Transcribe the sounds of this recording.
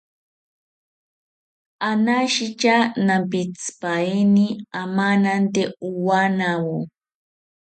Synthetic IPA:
anaʃit͡ʃanampit͡spainiamanant̪euwanawo

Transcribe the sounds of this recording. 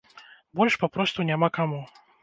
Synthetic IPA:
bɔlʲʂpapɾɔst̪unʲamakamu

